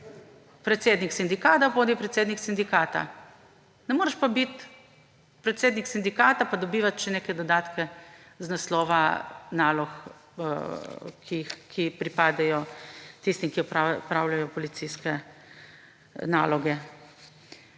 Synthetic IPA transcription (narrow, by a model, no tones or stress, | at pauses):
pɾɛt̪seːd̪niksind̪ikaːt̪apoːd̪ipɾɛt̪seːd̪niksind̪ikaːt̪a̰ | nɛmoːɾɛʃpabit̪ | pɾɛt̪seːd̪niksind̪ikaːt̪apad̪ɔbiːʋat̪ʃɛnekɛjd̪ɔd̪aːt̪kɛznaslɔːʋanaːlɔx | kʰixkʰipɾipaːd̪ɛjɔt̪ist̪imkiɔpapɾaːwlajɔpɔlit̪siskɛ | na̰ːlɔɡɛ